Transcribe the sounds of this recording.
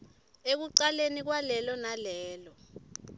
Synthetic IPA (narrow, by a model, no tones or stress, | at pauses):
ek̬uǀalenik̬walɛlɔnalɛːlɔ